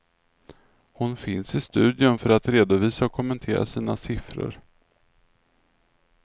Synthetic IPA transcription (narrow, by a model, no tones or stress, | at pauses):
hʊnfɪnsɪst̪ʉ̟ːd̪ɪʊnfœɾat̪ɾeːd̪ʊviːsaɔkʰːɔmɛnt̪ʰeːɾa̰siːnasɪfɾə̰ɾ